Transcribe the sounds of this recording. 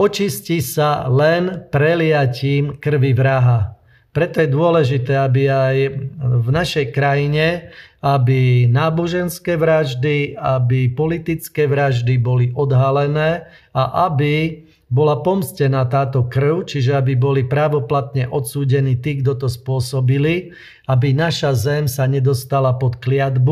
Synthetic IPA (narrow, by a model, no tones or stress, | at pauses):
ɔt͡ʃiscisalɛnpɾɛlɪaciːmkr̩ʋiʋɾaɦa | pɾɛt̪ɔjɛd̪ʊɔlɛʒit̪ɛːabiajvnaʃɛjkɾajiɲɛabinaːbɔʒɛnskɛːʋɾaʒd̪iabipɔlit̪it͡skɛːʋɾaʒd̪ibɔliʔɔd̪ɦalɛnɛː | aʔabi | bɔlapɔmscɛnaːt̪aːt̪ɔkr̩ʊt͡ʃiʒɛabibɔlipɾaʋɔplat̪ɲɛʔɔt̪suːɟɛniːt̪iːɡd̪ɔt̪ɔspʊɔsɔbili | abinaʃazɛmsaɲɛd̪ɔst̪alapɔt̪klɪad̪bu